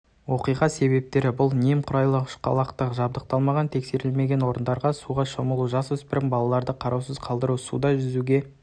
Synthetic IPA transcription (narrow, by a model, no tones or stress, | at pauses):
wo̞qijʁɑse̞βe̞p̚t̪e̞ɾɪbʊlˠnemqʰʊɾɑjlˠəqʰʏ̥ʃqʰɑ̰lˠɑqt̪əqʒɑb̚d̪əq̚t̪ɑlˠmɑʁɑnt̪ʰe̞kse̞ɾɪlme̞ɡʲe̞nwo̞ɾənd̪ɑɾʁɑsuʁɑʃoməlˠuʒɑswɵspɪɾɪŋbɑlˠɑlˠɑɾd̪əqʰɑɾɑwsəz̥qʰɑlˠd̪əɾusṵd̪ɑʒʏzuɡʲe̞